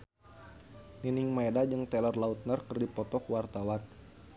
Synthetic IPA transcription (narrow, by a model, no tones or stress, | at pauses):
niniŋmaɛdad͡ʒɨŋt̪ɛlərlaut̪̚nərkərdipɔt̪ɔkuwart̪awan